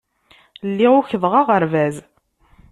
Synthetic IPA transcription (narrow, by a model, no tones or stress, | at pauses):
lːiʊçəðʁaʁəɾvæz